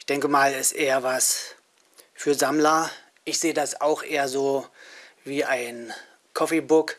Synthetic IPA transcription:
ɪçd̥ɛŋkəmaːlɛstʔeːɐvas | fyːɐzamlɐ | ʔɪçz̥eːədasaʊxʔeːɐzoː | viːʔaɪn | kʰɔfebʊk

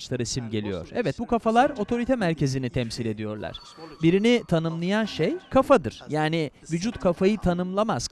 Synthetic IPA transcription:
t͡ʃlˠaɾsimɟe̞lʲḭjo̞̰ɾ̥ɛvɛt̪̚bukʰafalˠaɾo̞t̪ʰo̞ɾit̪ʰɛmæɾcʰe̞zinit̪ʰɛmsilʲe̞d̪ijo̞ɾlˠa̰ɾ̥ | biɾinit̪ʰanɯmlˠajanʃejkʰafad̪ɯɾ̥jaːni | vyd͡ʒut̪kʰafajɯt̪ʰanɯmlˠamaz̥

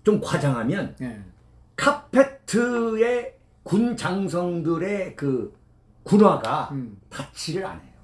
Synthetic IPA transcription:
t͡ɕomkwad͡ʑaŋɦamjʌn | kʰapʰe̞tʰɯe̞ | kunt͡ɕaŋs̬ʰʌŋdɯɾe̞kɯ | kunwaɡatat͡ɕʰiɾɯɾa̰ne̞jo

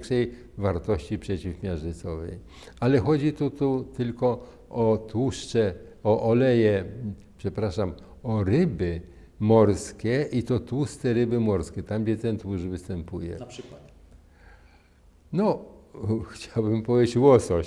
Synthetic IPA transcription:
ŋkʂɛj | vaɾt̪ɔɕt͡ɕipʂɛt͡ɕifmʲjaʐɘt̪sɔvɛ̰j | alɛxɔd͡ʑit̪ut̪ut̪ɘlkɔ | ʔɔt̪wuʂt͡ʂɛ | ɔʔɔlɛjɛ | pʂɛpɾaʂam | ɔɾɘbɘ | mɔɾskʲɛʔit̪ɔt̪wust̪ɛɾɘbɘmɔɾskʲɛt̪amd͡ʑɛt̪ɛnt̪wuʐvɘst̪ɛmpujɛ̰ | nɔ | xt͡ɕawbɘmpɔvʲjet͡ɕwɔsɔ

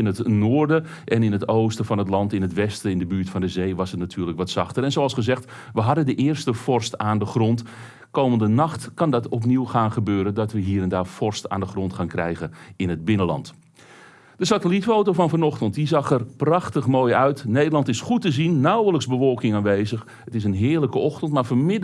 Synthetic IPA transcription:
ɪnətnoːrdə | ʔɛnɪnɦətowstəfɑnɦətlɑntɪnɦətʋɛstəɪndəbyːɹtfɑndəzejʋɑsətnatʰyːrləkʋɔtsɑχtəɾɛnzoɑlˠsχəzɛxt | ʋəɦɑdəndəʔɪːərstəfɔrstaːndəχrɔnt | kowməndənɑχtkɑndɑtɔp̬niwχaːnχəbøːɾəndɔtʋəɦiːəɾɛndaːfɔrsta̰ːndəχrɔntχaːnkrɛ̰jɣəɪnəd̚bɪnəlɑ̰nt | d̥əsatəlitfowtofɑnfɑnɔχtənt̚dizɑχɛrprɑxtəχmoːjœɥtnejdəlˠɑntɪsχutəzinːawələkszbəʋɔlˠkɪŋaːnʋejzəx | ətɪs̬ənɦɪːləkəɔxtəntmaːɹfomɪd

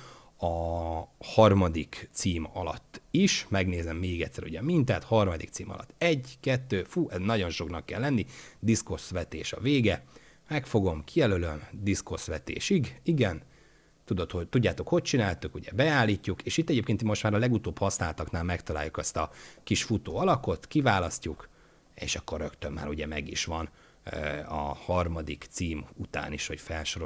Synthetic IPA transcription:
ɒ | hɒrmɒd̪ikt̪siːmɒ̰lɒ̰t̪ːiʃmɛɡneːzɛmːeːɡɛt̪sːɛɾṵɟɛmint̪ɛt̪hɒrmɒd̪ḭk̚t̪siːmɒ̰lɒ̰t̪ːɛɟkɛt̪ːøːfuːʔɛznɒɟo̞nʃo̞knɒkːɛlːɛnːid̪isko̞sʋɛt̪ḛːʃɒ̰veːɡɛ | mɛkfo̞ɡo̞mkijɛlølømd̪isko̞sʋɛt̪ḛːʃiɡiɡɛn | t̪ud̪o̞t̪hot̪uɟːaːt̪o̞kho̞c̚t͡ʃinaːlt̪ukuɟɛbɛaːlːiːcːukeːʃit̪ːɛɟeːp̚keːnt̪imo̞ʃt̪maːɾɒlɛɡut̪oːbhɒsnaːlt̪ɒknaːlmɛkt̪ɒlaːjukɛst̪ɒkiʃfut̪oːɒlɒko̞t̪kivaːlɒscuk | ḛːʃɒkːorːøkt̪ømːa̰ːɾuɟɛmɛɡiʃʋɒn | ɒ̰hɒrmɒd̪ikt̪siːmut̪a̰ːniʃho̞cfɛlʃo̞ɾo

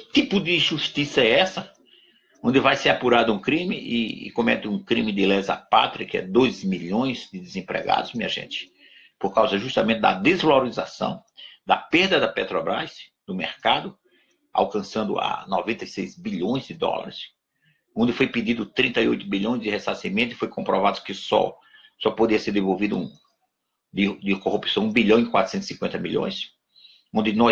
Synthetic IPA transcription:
kɪt̪ipʊd̪ɪʒuʃt̪isɐɛɛsɐ | õnd̪ɪvajseapuɾad̪ʊũkɾĩmɪʔɪ̰kõmɛt̪ɪũkɾĩmɪd̪ɪlɛzɐ̰pa̰t̪ɾɐkɪɛ̰d̪ojzmiʎõj̃zd̪ɪd̪ɪzẽmpɾɛ̰ɡa̰d̪ʊzmĩɲɐʒḛ̃t͡ʃɪ̥ | poɾkawzɐʒust̪amẽnt̪ɪd̪ɐd̪ezvalaɾizasɐ̰̃w̃d̪ɐpeɾd̪ɐd̪ɐpet̪ɾɔbɾa̰js | d̪ʊmeɾkad̪ʊ | a̰wkɐ̃sɐ̃nd̪ʊ̰a̰nɔvẽnt̪ɐjsejzbiʎõj̃zd̪ɪd̪ɔ̰lɐ̰ɾɪs | õd̪ɪfojpɪd̪id̪ʊt̪ɾĩnt̪ɐiojt̪ʊbiʎõj̃zd͡ʒ̪ɪhesasimẽt̪ʊɪfojkõpɾɔvad̪ʊkɪsɔ̰ | sɔpod̪iɐseɾd̪evowvid̪ʊũ | d̪ɪd̪ɪkohupi̥sɐ̃w̃ũbiʎɐ̃w̃ɪ̃kwat̪ɾʊ̥sẽt̪ʊ̥sĩkwẽnɐmiʎõ̰j̃s | õnd̪ɪnɔ

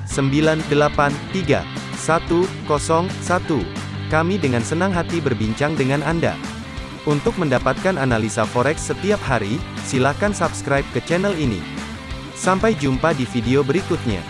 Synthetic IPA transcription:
səmbilandəlapant̪iɡa̰ | sat̪ukɔsɔŋsat̪u | kamidəŋansənaŋɦat̪ibərbiɲt͡ʃaŋdəŋananda̰ | unt̪ʊk̚məndapat̪̚kananalisafɔɾɛksːət̪iap̚haɾisilahkansapskɾajp̚kət͡ʃɛnɛlinḭ | sampajd͡ʒumpadifideobəɾikʊt̪̚ɲa̰

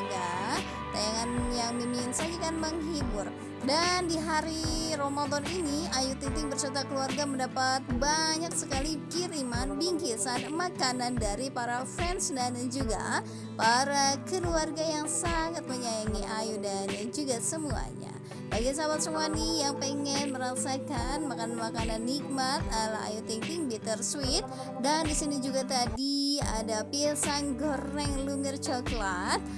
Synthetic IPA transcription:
ɡa | t̪ajaŋanjaŋmiminsad͡ʒukanməŋɦibʊr | dandiɦaɾiɾomad̪ɔniniajut̪it̪ɪŋbərsərt̪akəluarɡaməndapat̪̚baɲak̚səkalikiɾimanbiŋkisanmakanandaɾipaɾafɛnsdanad͡ʒuɡa̰ | paɾakəluarɡajaŋsaŋat̪̚məɲajaŋiʔajudanad͡ʒuɡasəmua̰ɲa̰ | baɡis̬abat̪səmuanihjaŋpəŋɛnməɾasakanmakananmakananːik̚mat̪̚alaa̰jut̪iŋkɪŋbit̪ərswɪt̪̚ | dandisinid͡ʒuɡat̪adia̰dapisanɡorɛŋlumɪrt͡ʃɔklat̪̚

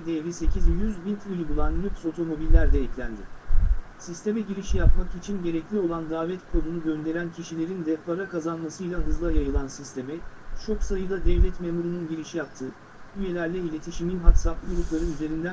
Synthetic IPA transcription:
d̪eɾise̞cʰizjyzbint̪ʰulʲbulˠanlʲykso̞t̪ʰo̞mo̞bilʲːæɾd̪ɛɛclʲænd̪ɪ | sist̪ʰe̞mɛɟiɾiʃijapmakit͡ʃʰinɟe̞ɾɛclʲio̞lˠand̪aːvɛt̪kʰo̞d̪unuɟø̞nd̪e̞ɾæncʰiʃilʲe̞ɾind̪ɛpʰaɾakazanmasɯjlʲˠaɦɯzlˠajajɯlˠansist̪ʰe̞mɛt͡ʃʰo̞ksajɯd̪ad̪ɛvlʲɛt̪memuɾununɟiɾiʃijap̚t̪ʰɯ | yje̞lʲæɾlʲɛilʲe̞t̪ʰiʃiminɦat̪sap̪ɯɡuɾuplˠaɾɯnyze̞ɾind̪æ

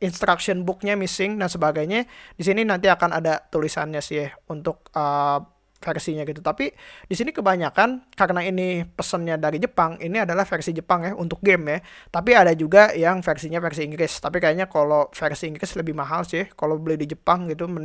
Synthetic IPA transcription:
inst̪ɾaksiənbʊk̚ɲamisɪŋdansəbaɡajɲadis̬ininant̪iakanadat̪ulisa̰nɲasɪhunt̪ʊk̚ə | fɛrsiɲaɡit̪ut̪apidisinikəbaɲakankaɾənainipəsənɲadaɾid͡ʒəpaŋiniadalahfɛrsid͡ʒəpaŋjaɦṵnt̪ʊk̚ɡɛmjaht̪ap̬iadad͡ʒuɡajaŋfersiɲafɛrsiːŋɡɾɪst̪apikajaɲakalofɛrsiːŋɡɾɪsləbɪhmaɦalsɪhkalobəlɪhdid͡ʒəpaŋɡit̪umə

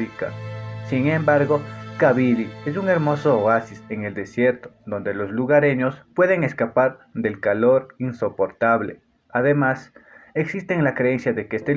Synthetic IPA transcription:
ika̰siŋe̞mbaɾɣo̞kaβilies̬uŋe̞ɾmo̞sooasiseŋe̞ld̪e̞sje̞ɾt̪o̥d̪o̞nd̪e̞lo̞zluɣaɾe̞ɲo̞spwe̞ðe̞ŋe̞skapaɾ | ðe̞lkalo̞ɾinso̞po̞ɾt̪aβlḛ | aðe̞maseksist̪eŋlakɾeensjaðe̞keest̪e

